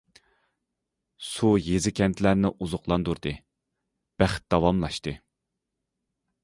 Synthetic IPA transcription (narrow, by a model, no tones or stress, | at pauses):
sujezɪkʲʰɛnt̪ʰlæɾnɪʔuzʊqlˠɑnd̪uɾd̪ɨ | b̥æχt̪̚d̪̥ɑwɑmlˠɑʃt̪ɨ